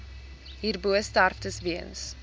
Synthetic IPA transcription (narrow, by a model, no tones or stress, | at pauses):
ɦiːrbuəstarftəsviəns